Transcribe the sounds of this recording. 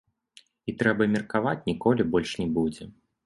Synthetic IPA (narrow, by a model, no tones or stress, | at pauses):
it̪ɾɛbɐmʲɛrkavat͡sʲnʲikɔlʲibɔlʲʂnʲɛbud͡zʲɛ